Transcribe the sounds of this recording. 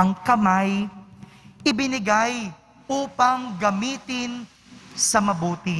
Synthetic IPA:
ɐŋkɐmaj | ʔɪbɪnɪɡaj | ʔuːpɐŋɡɐmiːt̪ɪn | sɐmɐbuːt̪ɪ

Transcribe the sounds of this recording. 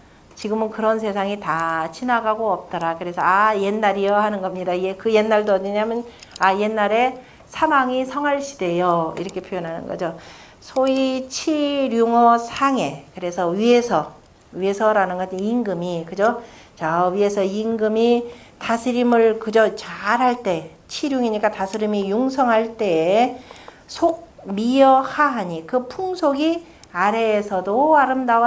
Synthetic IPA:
t͡ɕiɡɯmɯnkɯɾʌns̬ʰe̞sʰaŋitat͡ɕʰinaɡaɡoʌp̚t͈ʌɾakɯɾe̞sʰʌaje̞nːaɾijʌhanɯnɡʌmɲidaiekɯje̞nːaɭdoɲiɲamjɯnaje̞nːaɾe̞ | sʰamaŋisʰʌŋɦaɭɕʰi̥de̞joḭɾʌkʰe̞pʰojʌnɦanɯ̰nɡʌ̰d͡ʑo | sʰoit͡ɕʰiɾjuŋʌsʰaŋe̞kɯɾe̞sʰʌɥie̞sʰʌ | ɥiesʰʌɾanɯnɡʌd͡ʑʰiniŋɡɯmikɯd͡ʑo | t͡ɕaɥiesʰʌiŋɡɯmi | tasʰɯɾimɯɭkɯd͡ʑot͡ɕaɾɦaɭt͈e̞ | t͡ɕʰiɾjuŋiɲik͈atasʰɯɾimijuŋsʰʌŋɦaɭt͈e̞ | sʰoɡ̚mijʌhaɦaɲikɯpʰuŋsʰoɡi | aɾe̞ːsʰʌdoaɾɯmdawa

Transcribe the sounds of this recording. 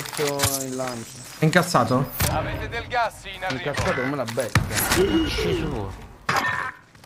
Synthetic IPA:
t̪ːoinlant͡ʃo | iŋkasːaːt̪o | iŋkasːaːt̪okomelabːɛt̪ːaʃesuo

